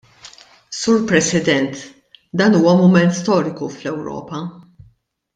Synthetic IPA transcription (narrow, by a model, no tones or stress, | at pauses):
suːɾpɾɛsɪd̪ɛnt̪ | d̪ɐːnuːwɐmʊmɛnt̪st̪ɔːɾɪkuflɛwɾɔ̰ːpɐ